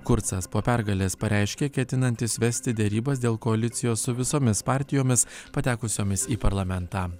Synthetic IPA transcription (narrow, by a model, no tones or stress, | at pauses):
kʊɾt̪sɐspoːpʲæɾɡɐlʲeːspɐɾʲʔɛˑɪʃʲkʲeːkʲɛt̪ʲɪnɐnʲt̪ʲɪsʋʲɛsʲt̪ʲɪd̪ʲɛɾʲiːbɐsd̪ʲeːlˠkoɐlʲɪt̪sʲɪjoːssʊʋʲɪsoːmʲɪspɑːˑɾʲt̪ʲɪjoːmʲɪspɐt̪ʲæːkʊsʲoːmʲɪsiːpɐɾlˠɐmʲɛnt̪ɑː